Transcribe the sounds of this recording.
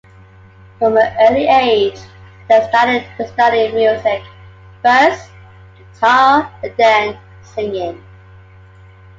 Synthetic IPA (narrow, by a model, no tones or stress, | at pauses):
fɹə̃mðiʔɜːliʔeɪd̥ʒ̥ | ðestɑɾɪd̪̚ðəstʌɾiəvmjʉzɪk̚ | b̥ɜˑs | tʰɑə̃ndə̃n | sɪ̃ŋɪ̃ŋ